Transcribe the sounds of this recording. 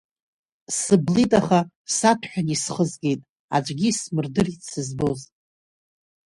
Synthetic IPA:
sɨblitʼaχa | satʰħᶣanisχəzɡʲe̞jtʼ | a̰d͡ʒʷʼɡʲismɨrdɨrisɨzboz

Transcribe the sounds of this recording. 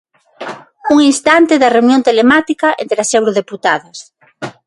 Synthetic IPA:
uŋinst̪ant̪eðɐreunjont̪elemat̪ikɐʔent̪ɾeɐsewɾoðeput̪aðɐs

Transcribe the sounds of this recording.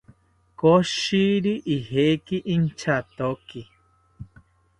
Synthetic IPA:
koʃiɾiʔihekiʔint͡ʃat̪oki

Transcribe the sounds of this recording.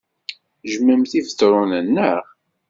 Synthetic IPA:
ʒəməmθivətːɾˤʊnənːəʁ

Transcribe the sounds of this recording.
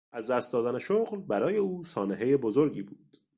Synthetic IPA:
ʔæzd̪æst̪̚d̪ɒːd̪æne̞ʃoɣlbæɾɒːje̞uːsɒːneɦe̞jebo̞zo̞ɾɟiːbuːd̪̥

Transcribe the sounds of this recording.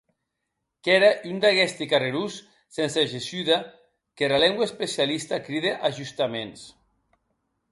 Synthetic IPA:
kɛɾaʔynd̪aɣɛst̪ikareɾusː | enseʒesyða | keɾalɛŋɡwaespesialist̪akɾiðeʔaʒust̪amens

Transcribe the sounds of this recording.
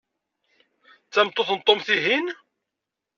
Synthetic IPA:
t͡sːæmt̪ˤːoθnt̪ˤːomθiɦin

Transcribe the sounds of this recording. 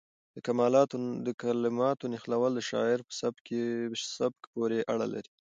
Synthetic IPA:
d̪əkamɑlɑd̪əkalɪmɑt̪onɪxlawəld̪əʃɑ̰ɪɾpə̥sabkesab̚kpoɾeʔaɽa̰la̰ɾi

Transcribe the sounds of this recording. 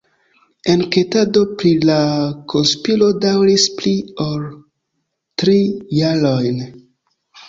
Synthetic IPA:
e̞nke̞tado̞pɾilakʰonspilo̞dawɾispliol | tɾijaɾojn

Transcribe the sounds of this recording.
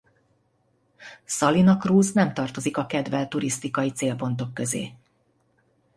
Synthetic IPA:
sɒlinɒkruːznɛmt̪ɒrt̪o̞zikɒkɛd̪vɛlt̪uɾist̪ikɒjit̪seːlpo̞nt̪o̞kːø̞zḛː

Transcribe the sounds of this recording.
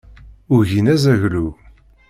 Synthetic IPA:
ʊʝinæzæʝlu

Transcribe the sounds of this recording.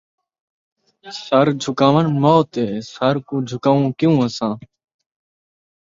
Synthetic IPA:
səɾd͡ʒʱʊkaːʋənmoːt̪eːsəɾkũːd͡ʒʱʊkaːʋũːkɪjũːəsãː

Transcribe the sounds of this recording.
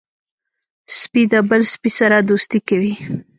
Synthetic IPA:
spid̪əbəlspisaɾad̪ust̪ikawi

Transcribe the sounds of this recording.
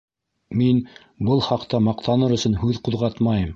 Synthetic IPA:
min | bɤlˠχɑqt̪ɑmɑqt̪ɑnɤɾɵ̆sɵ̆nhʉðquðʁɑt̪mɑjɤm

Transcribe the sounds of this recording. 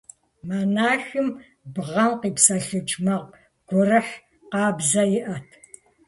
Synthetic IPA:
manaːxɨm | bʁɐmqiːpsɐɬɨt͡ʃʼmɐʁ | ɡ̥ʷɔrɨħ | qɑːbzɐjɪʔɐtʰ

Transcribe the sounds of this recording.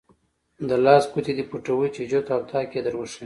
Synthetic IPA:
d̪əlɑːskut̪id̪ipuʈawut͡ʃed͡ʒot̪awt̪ʰɑked̪əɾwoʂi

